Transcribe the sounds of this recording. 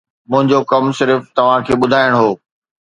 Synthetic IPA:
mʊ̃ɦɪ̃ɲd͡ʑokɐmsɪɾft̪ɐʋ̤ãkʰeːɓʊd̪ʱaːɪəɽ̃ɦoː

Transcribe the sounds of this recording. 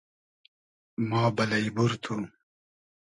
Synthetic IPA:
mɑːbɐlɐibuɾt̪ʰu

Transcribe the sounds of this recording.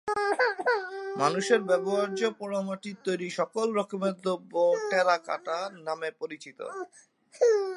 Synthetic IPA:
manuʃeɾbɛboɦaɾd͡ʑopɔɾomaʈit̪ːojɾiʃɔkolɾɔkobed̪ʱːoboʈɛɾaka̰ʈanamepoɾit͡ɕit̪o̰

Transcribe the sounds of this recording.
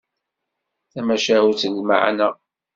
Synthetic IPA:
θæmæʃæhuθəlma̰ʕ̰næ

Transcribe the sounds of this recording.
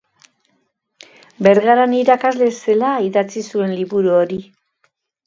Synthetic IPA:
beɾɣaɾaniɾakazle̞se̞laiðat͡sisue̞nliβuɾuoɾi

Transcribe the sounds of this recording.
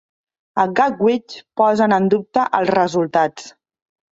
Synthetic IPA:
əɡak̚wit͡ʃpɔzənənd̪up̚t̪əʔəlˠzrəzulˠt̪at͡s

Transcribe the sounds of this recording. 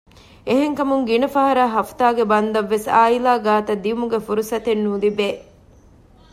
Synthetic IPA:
eɦeŋkɐmuŋɡinɐfɐɦɐɾaːɦɐft̪aːɡebɐnd̪ɐʋːesaːilaːɡaːt̪ɐd̪iumuɡefuɾusɐt̪enːuːlibeː

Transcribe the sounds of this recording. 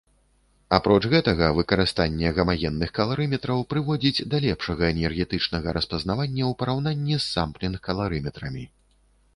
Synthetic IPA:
apɾɔt͡ʂɣɛt̪ɐɣɐvɨkɐɾɨst̪anʲːɛɣɐmaɣʲɛnːɨxkɐlˠaɾɨmʲɛt̪ɾɐwpɾɨvɔd͡zʲid͡zʲd̪alʲɛpʂɐɣɐɛnʲɛrɣʲɛt̪ɨt͡ʂnɐɣɐɾʔɐspɐzn̪avanʲːɐwpɐɾawnanʲːisːamplʲinkɐlˠaɾɨmʲɛt̪ɾɐmʲi

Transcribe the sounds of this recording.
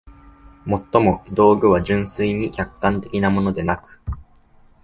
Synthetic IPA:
mo̞t̪ːo̞mo̞d̪o̞ːɡɯ̟β̞aʑɨ̃ɰ̃sɨiɲ̟ikʲakːãnt̪e̞kʲinamo̞no̞d̪e̞nakɯ̟̥

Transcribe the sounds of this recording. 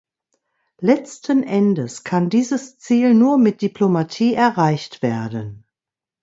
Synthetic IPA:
lɛt͡stʰənʔɛndəskʰandiːzəst͡siːlnuːɐmɪt̚d̥iplomatʰiːʔɛɐʁaɪçtv̥eːɐdən

